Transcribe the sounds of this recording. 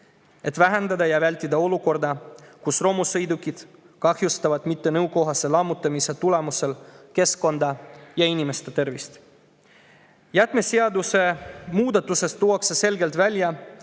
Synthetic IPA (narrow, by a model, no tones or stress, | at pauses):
e̞t̪væɦend̪ɑd̪ɑjɑvælʲt̪ʲːid̪ɑo̞luko̞rd̪ɑkusro̞musɤjd̪ukːˑid̪̥ | kɑhjust̪ɑvɑd̪̥mit̪ːe̞nɤwko̞ɦɑse̞lɑmːut̪ːˑɑmise̞t̪ule̞muse̞lke̞sko̞nd̪̥ɑjɑinʲime̞st̪et̪e̞rvist̪ | jæt̪ˑme̞seɑd̪use̞muːd̪̥ɑt̪ːˑuse̞st̪ːuːɑksese̞lɡe̞lt̪vælʲjɑ